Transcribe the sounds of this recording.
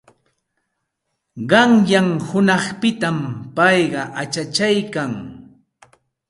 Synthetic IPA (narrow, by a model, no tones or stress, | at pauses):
ɢɑŋjaŋhʊnɑχpɪt̪ampɑjɢɑʔat͡ʃat͡ʃajkaŋ